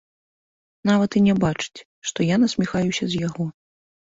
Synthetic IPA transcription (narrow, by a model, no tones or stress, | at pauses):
navɐt̪inʲɛbat͡ʂɨ̥t͡sʲ | ʂt̪ɔjanɐsʲmʲixajusʲɐzʲjaɣɔ